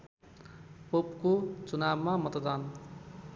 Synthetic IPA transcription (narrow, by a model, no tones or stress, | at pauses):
popkot͡sunabmamʌt̪d̪an